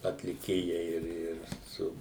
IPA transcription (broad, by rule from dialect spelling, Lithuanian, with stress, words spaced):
ɐtʲlʲɪˈkʲeːjɛɪ ˈɪr ˈɪr ˈsʊ